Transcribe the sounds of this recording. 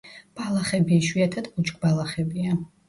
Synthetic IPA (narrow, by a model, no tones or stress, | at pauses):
b̥alˠaχɛbiiʃwiat̪ʰad̪but͡ʃʼkʼbalˠaχɛbia